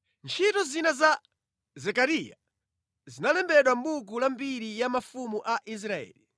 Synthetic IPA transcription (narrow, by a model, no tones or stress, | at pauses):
nt͡ʃʰitɔzinaza | zɛkaɾija̰ | zinalɛmbɛɗwam̩buk̬ulambiɾijamafumuʔaʔis̬ɾaɛ̰ːli